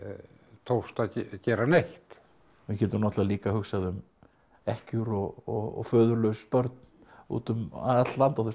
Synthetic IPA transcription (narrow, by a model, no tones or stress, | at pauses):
t̪ʰowst̪acɛːɾanejht̪ | mɪcʰɛːt̪ʏmnɔt̪laliːkahʏxsaðʏm | ɛhcʏɾɔɣɔɣɔ̰fœːðʏɾlœɥspœɾt̪̚n | ṵːt̪ʏma̰ɛt̪llant̪aθes